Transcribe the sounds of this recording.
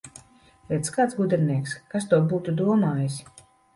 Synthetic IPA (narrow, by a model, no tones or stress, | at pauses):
ɾʲɛt̪skaːt̪sɡud̪ʲɛɾnʲiɛkskast̪uɔbuːt̪ud̪uɔmaːjisʲ